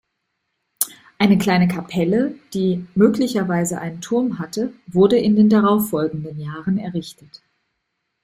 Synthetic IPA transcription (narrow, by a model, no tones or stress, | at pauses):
ʔaɪnəkl̥aɪnəkʰapʰɛləd̥iːmøːklɪçɐvaɪzəʔa̰ɪnəntʰʊɐmɦatəvʊɐdəɪndeːndaʁaʊfɔlɡŋ̩dənjaːʁənɛɐʁɪçtʰət